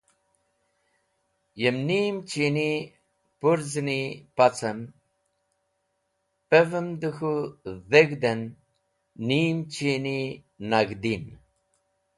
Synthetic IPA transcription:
jəmniːmt͡ʃini | puɾznipat͡sʰən | pevəmd̪ɨxuðeɡd̪enː | iːmt͡ʃʰini | naɡd̪in

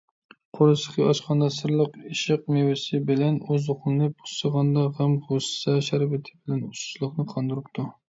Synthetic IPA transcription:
qʰoɾɨsə̥qʰiɑʃqɑnd̪ɑsɨɾlˠəqiʃɪqmewɪsɪbɪlɛnøzoqlˠɨnɨbo̥səʁɑnd̪ɑʁɛmʁosɨ̥sɑʃæɾvɪt̪ʰɪ̥bɪlɛnusu̥ʃlˠəχnɨqʰɑnd̪ɨɾɨpt̪ʰu

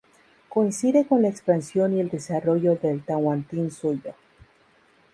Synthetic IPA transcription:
ko̞insiðe̞ko̞nlaekspansjo̞nie̞ld̪e̞saro̞ʝo̞ðe̞lt̪awant̪insuʝo̞

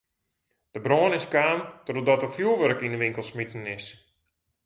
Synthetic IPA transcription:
d̥əbroːənɪskaːntɔdodɔtəfjulˠʋøɾəkinəʋɪŋkəlˠsmitən̩ɪs

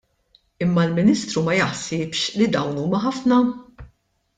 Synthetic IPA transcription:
ɪmːɐlmɪniːst̪ɾumɐjɐħsɪːpʃlid̪ɐwnuːmɐħɐfnɐ

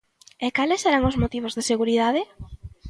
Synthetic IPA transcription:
ɛkalɪsːeɾaŋʊzmot̪iβ̞ozðeseɣuɾiðaðɪ

